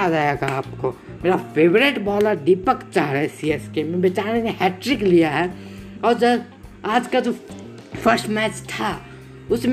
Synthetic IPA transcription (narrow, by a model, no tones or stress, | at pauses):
adajeɡaːpko | meːɾafʰeːbɾeʈbɔːləɾɖipəkt͡ʃaɦɾaɛsiɛskemẽbɪt͡ʃaːnekẽɦɛːʈɾɪklijaɦɛɔːɾd͡ʒə | aːd͡ʒkad͡ʒo | fʰəɾsʈmɛːt͡ʃt̪ʰa | ʊsm